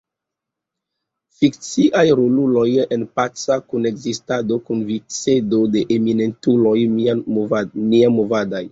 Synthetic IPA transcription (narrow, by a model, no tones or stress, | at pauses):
fik̚t͡siʔajɾululo̞jenpat͡sakune̞kzistado̞kunvit͡sedode̞ʔemine̞ntulo̞j | miamovadaj